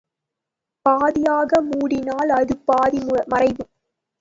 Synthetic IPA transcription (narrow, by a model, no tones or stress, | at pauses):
paːðɪjaːɣɐmuːɽɪnaːlɐðɯpaːðimɐrɐɪʋɯ